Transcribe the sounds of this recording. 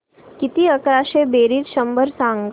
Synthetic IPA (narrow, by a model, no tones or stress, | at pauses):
kit̪iəkɾaʃebeːɾiːt̪ʃəmbəɾsãŋɡ